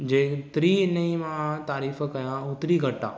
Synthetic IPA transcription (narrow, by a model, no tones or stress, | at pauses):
d͡ʒet̪ɾinɐĩmãt̪aːɾiːfəkɐjãʊt̪ɾiɡɐʈːaː